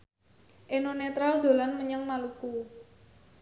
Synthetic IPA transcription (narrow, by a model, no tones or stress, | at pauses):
ʔenonet̪ɾald̪̥o̤lanməɲəŋmaluku